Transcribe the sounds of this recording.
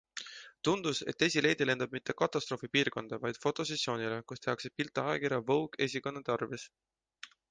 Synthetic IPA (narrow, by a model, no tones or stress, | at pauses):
t̪und̪̥use̞̰t̪ːˑesʲile̞jd̪̥ile̞nd̪̥ɑb̚mit̪ːe̞kɑt̪ːˑɑst̪ɾo̞ːfipiːrko̞nd̪̥ɑvɑjd̪̥fo̞t̪ːˑo̞s̬esːjo̞ːnile̞kust̪e̞ɑksepilt̪ːˑɑɑekiɾjɑvɤwɡe̞sʲiko̞nːet̪ɑrvis